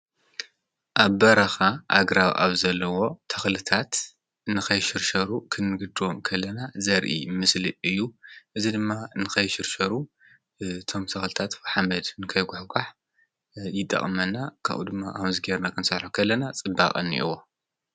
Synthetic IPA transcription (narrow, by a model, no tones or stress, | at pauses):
ʔaβːɐɾɐxaʔa̰ɡɾawʔa̰βzɐlːɐwo̞t̪ʰɐ̥xlɨt̪ʰat̪ | nɨxɐjʃɨɾʃɐɾukʰɨnːɨɡɨd̪omkʰɐlːɐnazɐɾʔḭmɨsliɨjːuʔɨzid̪ɨmːanɨkʰɐjʃɨɾʃɐɾu | ɨt̪ʰo̞mt̪ʰɐxlɨt̪ʰat̪ħamɐd̪nɨkʰɐjɡʊħkʰaħ | jɪt̪ʼːɐ̰χʼmɐnːakʰa̰ʔṵd̪ɨmːaʔamzɨɡeɾnakʰɨnsɐħħukʰɐlːɐnat͡sʼɨba̰kʼɐ̰nːḭʔḭwo